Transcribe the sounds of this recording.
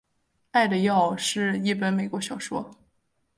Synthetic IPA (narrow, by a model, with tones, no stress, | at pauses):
a˥˩ɪd̪ə˩jɑ˥˧ʊʂɻ̩˥˧i˥˩pə˥nme˨˩ɪkwɔ˧˥ɕjɑ˨˩ʊʂwɔ˥